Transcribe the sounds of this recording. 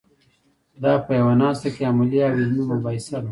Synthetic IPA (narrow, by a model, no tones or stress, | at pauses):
d̪ɑpəjawanɑst̪akeamaliawiznumabɑisal